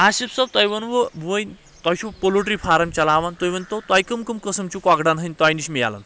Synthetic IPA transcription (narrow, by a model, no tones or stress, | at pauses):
aɕipsab̚t̪ajʋənʋəʋəjn | t̪ajɕʰupoloʈɾiːfʰaɾɐmt͡ɕalaʋant̪ojʋənt̪ɔt̪ajkəmkəmkəsəmt͡ɕukaɡɖanɦəjnʲt̪ajniɕmija̰la̰n